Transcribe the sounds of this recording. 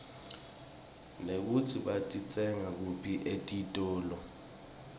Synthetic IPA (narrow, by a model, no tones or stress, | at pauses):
nek̬utʰiɓatʼit͡sʼɛŋak̬upʰiʔetʼitʼɔːlɔ